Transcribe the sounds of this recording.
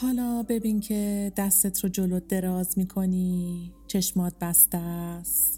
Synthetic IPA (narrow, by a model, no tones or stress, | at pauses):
hɒːlɒːbe̞biːncʰe̞d̪æsːet̪ʰɾod͡ʒolod̪e̞ɾɒːzmiːkʰo̞niːt͡ʃʰe̞ʃmɒːd̪̚bæst̪æs